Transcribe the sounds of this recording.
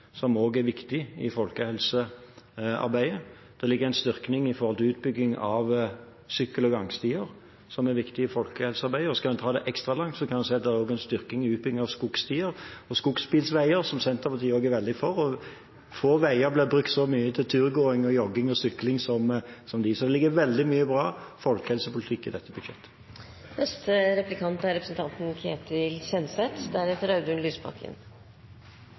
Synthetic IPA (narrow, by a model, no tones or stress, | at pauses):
sɔmoːɡæɾʋɪkt̪ɪɪ̰fɔlkəhɛlsə | ɑ̰ɾbæɪə | d̪̥ɛlɪɡːəʁɛɪnst̪ʏɾknɪŋɪfɔɾhɔlt̪ɪʉːt̪̚bʏɡnɪŋɑ̰ʋ | sʏkːəlɔɡɑŋst̪iːəɾ | sɔmæɾʋɪkt̪ɪɪfɔlkəhɛlsəɑɾbæɪəɔskɑlmɛnt̪ʰɑːd̪ɛʔɛkst̪ɾɑlɑŋt̪sɔkʰɑnsæɪɑt̪̚d̪ɛɾɛɾoːɡæɪnst̪ʏɾknɪŋɪʉːt̪bʏɡŋɑʋskʊkst̪iːəɾɔskʊksbiːlsʋæɪəɾsɔmsɛnt̪əɾpɑt̪iːəoːɡæɾʋɛld̪ɪfɔɾɔ | foːʋæɪəɾblɪbɾʉk̚t̪sɔmyːət̪ʰɪlt̪ʰʉːʁɡoːɪŋɔjɔɡɪŋɔsʏklɪŋsɔmsɔmd̪ɪsɔmlɪɡəʋɛld̪ɪmyːəbɾɑːfɔlkəhɛlsəpʊlɪt̪ʰɪkːɪd̪ɛt̪ʰːəbʉd̪ʃɛt̪ːə̥ | nɛst̪əɾɛplɪkʰɑnt̪æɾɛpɾəsən̩t̪ɑnt̪n̩kʰeːt̪ɪlçɛnsɛt̪d̪æɾhɛt̪əɾɑʉd̪ʉnlyːsbʰɑ̰kʰːə̰n